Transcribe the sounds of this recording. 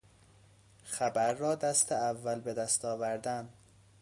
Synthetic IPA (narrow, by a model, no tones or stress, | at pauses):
xæbæɾːɒːd̪æst̪ʰeævːælbed̪æst̪ɒːvæɾd̪ænd̪